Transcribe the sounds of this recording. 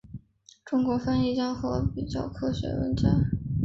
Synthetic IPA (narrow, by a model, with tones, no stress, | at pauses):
ʈ͡ʂʊ˥ŋkwɔ˧˥fa˥ni˥˩t͡ɕjɑ˥ŋxɤ˥˩pi˨˩t͡ɕjɑ̰˥˩ʊkʰɤ˥ɕɥɛ̰˧˥wə̰˧˥nt͡ɕja˥